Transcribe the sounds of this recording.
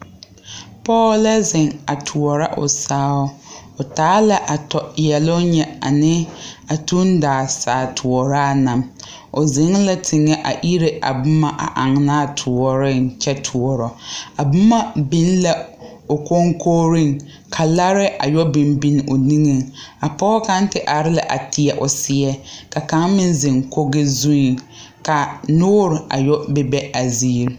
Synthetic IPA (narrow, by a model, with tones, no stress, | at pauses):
pɔː˦la˦zɪ˨ŋa˨tʰʊ˨ɔ˨ɾa˦ʔʊ̰˨saː˦ʊ˦ʊ˨taː˨˦la˦ʔa˨tɔ˨jɛ˨lʊ˦ɲɛ˦a̰˨nɪ˦a˨tu˦n˦daː˨saː˨tʰʊ˨ɔ˨ɾa˦˨na˨m | o˨zɪ˨˦ŋla˦tʰɪ˨ŋɛ˦ʔa̰˨ʔi˦ɾe˦ʔa̰˨bʊ˦ma˨ʔa̰˨ʔa˨ŋna˦˨tʰʊ˨ɔ˨ɾɪ˦˨nt͡ʃɛ˦tʰu˨ɔ˨ɾɔ˨a˨bʊ˦ma˦bɪ˦n˦la˨ | o˨ko˦ŋkʰoː˦ɾɪ˦˨ŋ | kʰa˨la˦ɾɪ˦ʔa˨jɔ˦bɪ˨m˦bi˦n˦o˨ni˦ŋe˨ŋa˨pɔ˦ɔ˦ka˦n̩˦tɪ˦ʔa˨ɾɪ˦la˦ʔa̰˨tʰɪ˦ɛ˨ʔʊ˨sɪ˦ɛ˦ka˨ka˨˦ŋmɪ˦n˦zɪ˨ŋko˦ɡɪ˦zu˦i˨ | ka˨nʊː˦ɾɪ˨ʔa̰˨jɔ˦bɛ˦bɛ˦a˨ziː˦ɾ